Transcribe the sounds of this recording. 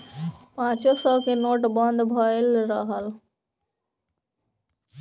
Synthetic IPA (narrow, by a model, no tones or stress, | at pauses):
pãt͡ʃosɔkenoʈbʌnd̪ʱbʱɔelɾʌɦəl